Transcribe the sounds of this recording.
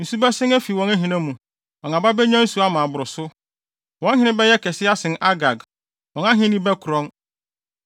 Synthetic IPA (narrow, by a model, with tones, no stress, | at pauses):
n̩˨su˦bɛ˦sɪ̃˦næ˦fi˨wɔ̃˦nɛ˦ɦĩ˨nã˦mũ˨ | ɔ̃˨ŋa˨ba˦bɛ˦ɲᶣã˦n̩˦su˦a˦mãː˨bʊ˨ɾʊ˨sʊ˦ | wɔ̃˨˦n˦ɦɪ̃˦nɪ̃˦bɛ˦jɛ˦kʰɛ˨sɪ˦a˦sɪ̃˨na˦ɡa˨ɡ | wɔ̃˨nã˦ɦɪ̃˦nɪ̃˦bɛ˦kʰʊ˨ɾɔ̃˦n